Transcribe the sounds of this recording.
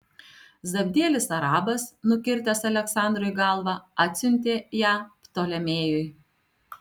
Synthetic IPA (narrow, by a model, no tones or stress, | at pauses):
zɐbʲd̪ʲeːlʲɪsɐɾɑːbɐsnʊkʲɪɾʲt̪ʲɐsɐlʲɛksɑˑnd̪ɾʊjɡɑˑlˠʋɑɑːt̪ʲsʲʊnʲt̪ʲeːjæːpt̪oːlʲɛmʲeːjʊj